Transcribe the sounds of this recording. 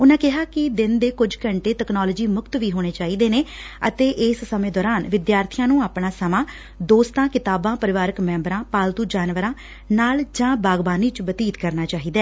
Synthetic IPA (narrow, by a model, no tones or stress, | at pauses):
ʊnãːkɪɦaːkɪd̪ɪnd̪eːkʊd͡ʒkəɳʈeːʈɛknɔːləd͡ʒiːmʊkt̪ʋiːɦoːɽ̃eːt͡ʃaːɦiːd̪eːneː | ə̰t̪eːʔɪːsːəmẽːd̪ɔːɾaːnʋɪd̪jaːɾt̪ʰijãːnũːaːpɳaːsəmãː | d̪oːst̪ãːkɪt̪aːbãːpəɾɪʋaːɾəkmɛ̃ːmbɾãːpaːlt̪uːd͡ʒaːnʋəɾãː | naːld͡ʒãːbaːɡbaːniːt͡ʃbət̪iːt̪kəɾnaːt͡ʃaːɦiːd̪ɛː